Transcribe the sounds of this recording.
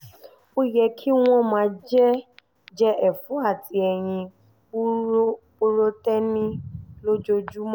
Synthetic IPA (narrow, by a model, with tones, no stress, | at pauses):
o˦jɛ˧kʰi˦w̃ɔ̃˦mãː˨˧d͡ʒɛ˦ | d͡ʒɛ˦ʔɛ˨fũ˨˦a˦˨ti˧ɛ˧˨j̃ĩ˧˦ | o˦ɾo˦tɛ˦nĩ˦lo˦d͡ʒo˧d͡ʒu˦m̃˦